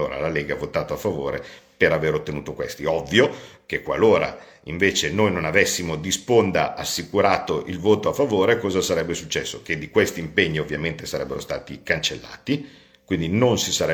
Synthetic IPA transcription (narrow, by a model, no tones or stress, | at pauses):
oːɾa̰laleːɡaavot̪aːt̪oafːavo̰ːɾepeɾaveːɾot̪ːenuːt̪okwest̪iɔvːijokekwaloːɾa̰ | iɱveːt͡ʃenojnonavɛsːimod̪ispond̪aʔasːikuɾaːt̪oʔilvoːt̪oafːavoːɾekɔːzasaɾɛbːesut͡ʃːɛsːok̟ed̪ːikwest̪iːmpeɲːiovːjament̪esaɾɛbːeɾo̰st̪aːt̪ikant͡ʃelːa̰ːt̪i | kwind̪inonsisaɾɛ